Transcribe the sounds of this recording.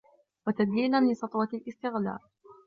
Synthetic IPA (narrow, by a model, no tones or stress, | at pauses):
wat̪ad̪jiːnanlɪsˤɑt̪ˤwɑlʔɪst̪ɪɣla̰ːɾ